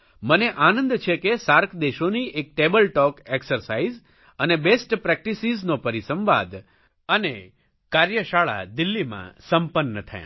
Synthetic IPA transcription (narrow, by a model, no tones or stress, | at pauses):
məneʔanə̃nd̪t͡ʃʰekesaɾkʰd̪eʃoniʔek̚ʈebəlʈɔkeksəɾsaiz | ənebesʈpɾɛk̚ʈisiznopəɾisəmʋa̰d̪ | əne | kaɾjəʃaɭa̰d̪ɪlːimã̰səmpənːət̪ʰə̰jã̰